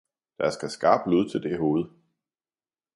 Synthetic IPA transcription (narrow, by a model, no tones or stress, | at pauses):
d̥ɑæɐsɡ̥æsɡ̥ɑ̰̈ːb̥luð̞̰ˠt͡sʰe̝ld̥e̝ɦo̝ːð̞̩ˠ